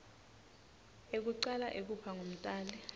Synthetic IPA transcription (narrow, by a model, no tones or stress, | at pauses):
ek̬uǀalaʔek̬upʰaŋom̩tʼaːlɛ